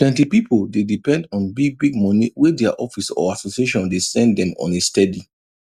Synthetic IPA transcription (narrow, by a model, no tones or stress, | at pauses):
tʰwɛ̃ntipipoldedipɛ̃ndɔ̃nbiɡ̚biɡ̚mɔniwedɛaʔɔfisɔ̰asosieʃɔ̃ndesɛ̃nddɛ̃mɔ̰̃nestɛdi